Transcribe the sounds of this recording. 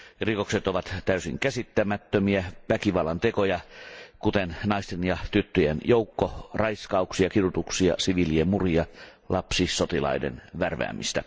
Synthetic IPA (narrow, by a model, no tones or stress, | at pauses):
rikokset̪oʋɑt̪t̪æysḭŋkæsit̪ːæmæt̪ːømiæʋækiʋɑlːɑnt̪ekojɑkut̪ennɑist̪enjɑt̪yt̪ːøjenjoukːorɑiskɑuksiɑkirut̪uksiɑ̰siʋiliemmuriɑ | lʔɑpsisot̪ilɑ̰idḛnʋærʋæ̰ːmḭst̪æ